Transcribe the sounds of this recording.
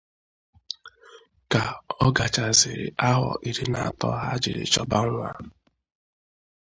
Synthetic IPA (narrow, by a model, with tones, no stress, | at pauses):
ka˨ɔ˦ɡa˨t͡ʃa˨zɪ˨ɾɪ̰˨ʔa˦ɦɔ̰˨ʔi˨ɾi˦na˨a˨tɔ˦ɦa˦d͡ʒɪ˨ɾɪ̰˨t͡ʃɔ˨ba˦n̩˦ɾʊ˦a̰˦